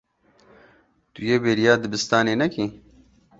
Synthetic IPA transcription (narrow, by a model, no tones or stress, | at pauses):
t̪ujeːbeːɾijaːd̪ɨbɨst̪aːneːnɐki